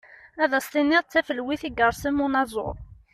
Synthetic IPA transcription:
æðæst̪inːiʁˤt͡sːæfəlwiθiɡəɾˤsimunɑzˤo̰ɾˤ

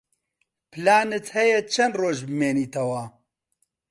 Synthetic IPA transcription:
pʰɨlaːnɨt̪hɛjɛt͡ʃʰɐnd̪roːʒbɨmeːniːt̪ʰɐwɐ

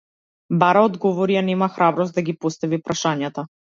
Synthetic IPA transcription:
baɾaɔd̪ɡɔvɔɾijanɛmaxɾabɾɔst̪̚d̪aɡʲipɔst̪avipɾaʃaɲat̪a

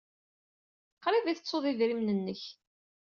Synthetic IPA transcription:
qːɾˤiðiθət͡sːoðˤiðɾimnənːəç

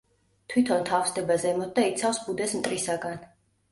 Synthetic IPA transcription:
t̪ʰwit̪ʰɔnt̪ʰafsd̪ɛbazɛmɔd̪ait̪sʰafsbud̪ɛsmt̪ʼɾisaɡan

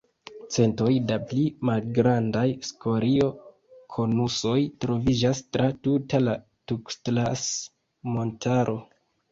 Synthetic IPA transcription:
t͡se̞nto̞jdaplimalɡɾandajskʰo̞ɾio̞ | kʰo̞nuso̞jtɾo̞vid͡ʒastɾatutala | tukstlas | mo̞ntʰaɾʔo̞

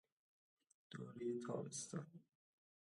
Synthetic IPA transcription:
d̪̥oːɾit̪ʰɒ̰ːbest̪ɒn

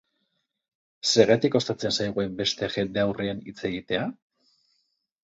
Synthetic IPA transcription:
se̞ɣet̪iko̞st̪at͡se̞nsajɣue̞mbe̞st̪e̞ʝe̞nd̪eawreenḭt͡se̞ɣit̪e̞a

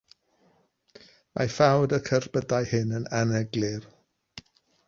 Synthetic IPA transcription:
mʔa̰fawdəkʰərbədajhɨnənanɛɡlɨr

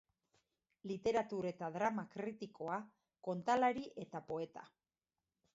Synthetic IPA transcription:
lit̪e̞ɾat̪uɾe̞t̪aðɾamakɾit̪iko̞a | ko̞nt̪alaɾiʔe̞t̪apo̞e̞t̪a̰

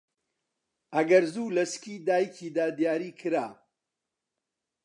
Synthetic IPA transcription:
ʔɐɡɐɾzuːlɐskiːd̪aːjikʰiːd̪aːd̪jaːɾiːkʰɨɾaː

